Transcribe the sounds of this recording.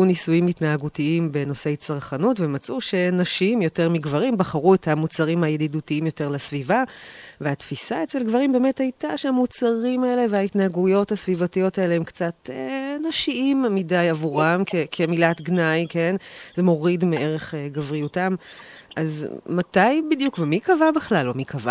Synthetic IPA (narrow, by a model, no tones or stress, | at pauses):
unisujimitnaaɡutiimbe̞no̞se̞jt͡saʁχanutvemat͡suʃe̞naʃiimjo̞te̞ʁmiɡvaʁimbaχaʁuethamut͡saʁimhajedidutiimjo̞te̞ʁlasvivaveatfisaet͡selɡvaʁimbe̞ːme̞thajtaʃeamut͡saʁimae̞le̞veaitnaaɡujo̞thasvivatijo̞tae̞leemkt͡satenaʃiimːidajavuʁamkʰekʰe̞milatɡnajke̞nzemo̞ʁidmeʔeʁe̞χɡavʁijutam | ʔazmatajbidjukvemikavabeχlalːomikava̰